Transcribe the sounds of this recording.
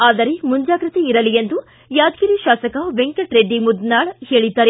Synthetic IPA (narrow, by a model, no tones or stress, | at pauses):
aːd̪ɐɾemuɲd͡ʒaːɡɾɐt̪eiɾɐlijend̪u | jaːd̪ɡiɾiʃaːsɐkɐʋeŋkɐʈɾeɖːimud̪naːɭheːɭid̪ːaːɾe